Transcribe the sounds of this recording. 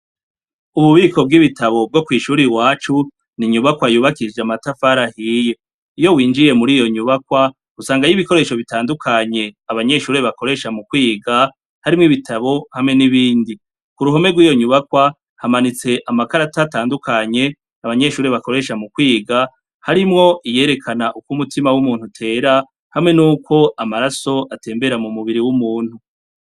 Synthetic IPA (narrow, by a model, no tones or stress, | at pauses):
uβuβiːko̞b̚ɡiβitaβo̞b̚ɡo̞kwiːʃuːɾiwaːt͡ʃu | niɲuβakwajuːβakid͡ʒeamatafaɾahiːje̞ | ijo̞wiːnd͡ʒije̞muɾiːjo̞ɲuβakwa | usaːŋɡajiβiko̞ɾe̞ːʃo̞βitaːndukʰaɲe̞aβaɲe̞ʃuːɾe̞βako̞ɾe̞ʃamukwiːɡa | haɾimŋiβitʰaβo̞hamŋe̞niβiːndi | kuɾuɦo̞me̞ɡwiːjo̞ɲuβakwa | hamanit͡se̞ʔamakaɾatataːndukʰaɲe̞ | aβaɲe̞ʃuːɾe̞βako̞ɾe̞ʃamukwiːɡa | haɾimŋo̞ʔije̞ːɾe̞kʰanaʔukumutimawumuːnhutʰe̞ːɾa | hamŋe̞nuːkʰo̞amaɾaso̞ʔate̞ːmbe̞ɾamumuβiɾiwumuːn̥hu